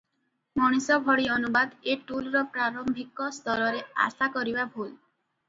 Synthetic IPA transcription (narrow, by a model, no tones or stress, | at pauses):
mɔɽ̃isɔbʱɔɽiɔnubad̪eʈulɾɔpɾaɾɔmbʱikɔst̪ɔɾɔɾea̰sakɔɾibabʱul